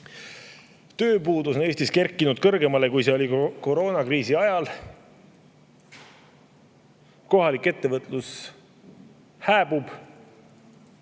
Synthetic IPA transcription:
t̪ø̞ːpuːd̪usone̞ːst̪iske̞rkːˑinud̪̥̚kɤrɡ̥e̞mɑlekujse̞o̞liko̞ɾo̞ːnɑkriːsiɑjɑl | ko̞ɦɑlikːe̞t̪ːe̞vɤt̪ˑlus | hæːbub̥

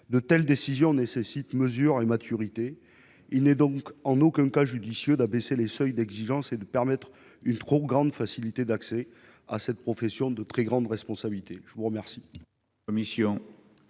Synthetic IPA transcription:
d̪ət̪ɛld̪esizjɔ̃nesesit̪məzyʁemat̪ʰyʁit̪e | ilnɛd̪ɔ̃kɑ̃nokɛ̃kaʒyd̪isjød̪abeselesœjd̪ɛɡziʒɑ̃sed̪əpɛʁmɛt̪χ | ynt̪χoɡʁɑ̃d̪fasilit̪ed̪aksɛ | a̰sɛt̪̚pχɔfɛsjɔ̃d̪ət̪χɛɡʁɑ̃d̪ʁɛspɔ̃sabilit̪eʒ̥əvuʁəmɛʁsi | ɔmisjɔ̃

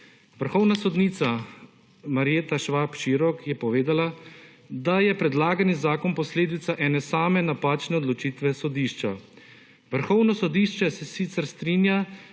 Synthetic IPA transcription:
ʋəɾxɔwnasɔd̪nit̪sa | maɾijet̪aʃʋapʃiɾɔkjɛpɔʋeːd̪ala | d̪ajɛpɾɛd̪laːɡanizaːkɔnpɔsleːd̪it̪saʔɛːnɛsaːmɛnapaːt͡ʃnɛɔd̪lɔt͡ʃiːt̪ʋɛsɔd̪iːʃt͡ʃa | ʋəɾxɔwnɔsɔd̪iːʃt͡ʃɛsɛsit̪sɛɾst̪ɾiːnja

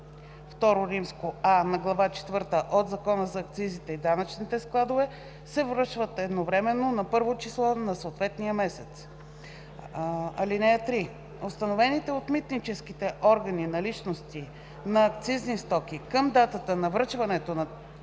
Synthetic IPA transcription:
ft̪ɔɾoɾimskoanɐɡlˠɐvat͡ʃɛ̥t̪vɤɾt̪əʔod̪zɐkɔnəzɐːk̚t̪sizit̪ɛid̪anət͡ʃnit̪ɛsklˠad̪ovɛ | sɛvɾəʃvət̪ɛd̪novɾɛmɛnːonɐpɤɾvot͡ʃislˠɔnɐsoːt̪vɛt̪nijəmɛsɛt̪s | ɐ̰linɛjət̪ɾi | ost̪ɐnovɛnit̪ɛot̪mit̪nit͡ʃɛskit̪ɛʔɔɾɡɐninɐlit͡ʃnost̪i | nɐːkt̪siznist̪ɔkʲikəmd̪at̪ət̪ənɐvɾɤt͡ʃvɐnɛt̪onɐ

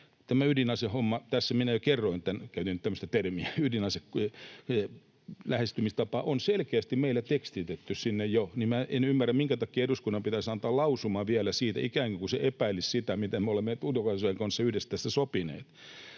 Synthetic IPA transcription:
t̪æmæydinɑsehomːɑt̪æsːæminæjokerːoint̪ːænkæyt̪int̪æmːøst̪æt̪ermiæydinɑseke | læhest̪ymist̪ɑpɑʔonselkeæst̪immeilːæt̪ekst̪it̪et̪ːyssinːejjonimmæʔenymːærːæmmiŋkæt̪ɑkːˑiːeɾuskunːɑmpit̪æsɑnt̪ɑːlɑusumɑʋiælæsiːt̪æ̰ikæːŋkikuseʔepæilissit̪æmit̪æmeolemːet̪udjokɑsojeŋkɑnsːɑyhdest̪æːst̪ːæsopinḛːt̪

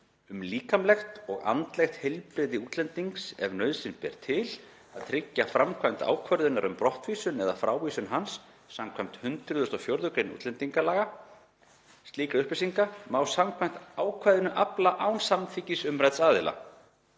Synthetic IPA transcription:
ʏmliːkamlɛxt̪ɔɣa̰nt̪lɛxt̪hɛjlpɾɪðɪuːt̪lɛnt̪iŋksɛvnœɥðsɪnpɛ̰ɾ̥t̪ʰɪl | aðt̪ʰɾɪcːafɾamkʰvajm̥t̪a̰ːwkʰvœɾðʏnaɾʏmpɾɔht̪viːsʏnɛðafɾaːwviːsʏnɦansː | amkʰvajm̥t̪hʏnt̪ɾʏðʏst̪ɔfjowɾðʏkɾejnṵːt̪lɛnt̪iŋkalaːɣa | st̪liːkɾaʏhpɪsiŋkamaːwsamkʰvajm̥t̪aːwkʰvaːjðʏnʏʔaplaʔawnsamθicɪsʏmrajt̪saːðɪla̰

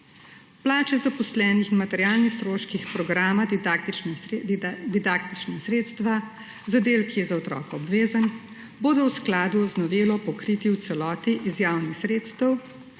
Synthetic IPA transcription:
plaːt͡ʃɛzapɔslɛːnixinmat̪ɛɾjaːlnixst̪ɾoːʃkixpɾɔɡɾaːmat̪it͡ʃd̪d̪id̪aːk̚t̪it͡ʃnasɾeːt̪st̪ʋa | zad̪eːlkʰijɛzaɔt̪ɾɔ̰ːkɛɔbʋeːzən | boːd̪ɔwsklaːd̪uɔznɔʋeːlɔpɔkɾiːt̪iwt̪sɛlɔːt̪iʔizjaːwnixsɾeːt̪st̪əw

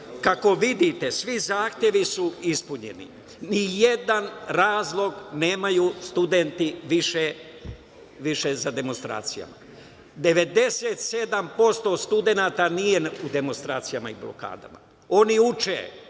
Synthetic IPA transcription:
kako̞ʋid̪it̪e̞sʋizaːxt̪je̞ʋisuispuɲe̞̰nḭ | nije̞d̪anɾaːzlˠo̞ɡne̞ːmajuːst̪ud̪e̞nt̪iʋiʃe | ʋiʃezad̪e̞monst̪ɾa̰ːt̪sija̰ma̰ | d̪e̞ʋe̞d̪e̞se̞ːt̪se̞d̪ampo̞st̪o̞st̪ud̪e̞naːt̪anije̞ud̪e̞monst̪ɾaːt̪sijamaiblo̰ka̰ːd̪a̰ma̰ | o̞niut͡ʃḛ

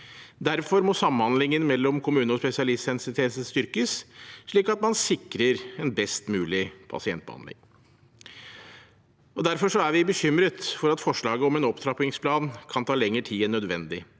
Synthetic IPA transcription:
d̪æɾfɔɾmɔsɑmənhɑnd̪lɪŋənmɛlːɔmkʰʊmʉːnəɔspɛsɪɑlɪstɛnsɪt̪ʰeːsəst̪ʏɾkəsʂɭiːkɑt̪mɑnsɪkɾəɾɛnbɛst̪mʉːlɪpʰɑ̰sɪɛnt̪bəhɑ̰nd̪ɪ̰ŋ | ɔd̪æɾfɔʂɔæɾʋɪbəçʏmɾət̪fɔɾɑt̪fɔʂɭɑːɡəɔmɛnɔpt̪ʰɾɑpɪŋspʰlɑːnkʰɑnt̪ʰɑːlɛŋːəʈʰiːɛnœd̪ʋɛnd̪ɪ

